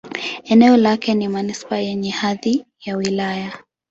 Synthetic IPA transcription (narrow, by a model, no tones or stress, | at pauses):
ɛnɛɔlakɛnimanispajɛɲɛhaði | jawilaja